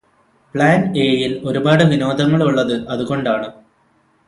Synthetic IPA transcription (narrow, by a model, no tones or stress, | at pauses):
pɭaːneːjilo̞ɾubaːɽɨʋino̞ːd̪ʱɐŋːɐɭuɭːɐðɨʔɐðuɣo̞ɳɖaːɳɨ